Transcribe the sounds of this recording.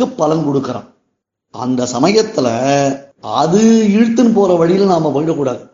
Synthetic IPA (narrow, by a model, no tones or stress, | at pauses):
ɯpːɐlɐnkɔɽɯkːɐɾa̰ː | ɐ̰nd̪ɐsɐmɐjɐt̪ːɪlɐ | ɐðɯɪɻɯt̪ːɯnɯpoːɾɐʋɐɻɪjɪlnaːmɐpoːjɪʈːɐkːuːɽaːðɯ